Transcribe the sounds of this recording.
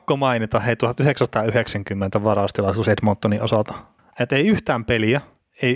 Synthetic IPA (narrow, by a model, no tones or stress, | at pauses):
kːomɑinit̪ɑheit̪uhɑt̪yhekssɑ̥t̪ɑːyheksæŋkymːent̪æʋɑrɑst̪ilɑisuːset̪mont̪ːoniʔosɑlt̪ɑ̥ | et̪eiyht̪æːmpeliæ | ei